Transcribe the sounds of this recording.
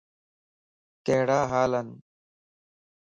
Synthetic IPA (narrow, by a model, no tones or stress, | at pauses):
k̪eɦɽaːɦaːlɐn